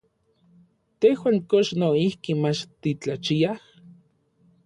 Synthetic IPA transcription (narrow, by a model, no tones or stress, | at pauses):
t̪ehwaːŋkoʃnoihkimat͡ʃt̪it͡ɬat͡ʃiah